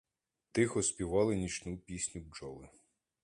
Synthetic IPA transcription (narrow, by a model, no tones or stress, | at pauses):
t̪ɪxɔsʲpʲiʋɑlˠɪnʲit͡ʃnupʲisʲnʲud͡ʒɔlˠɪ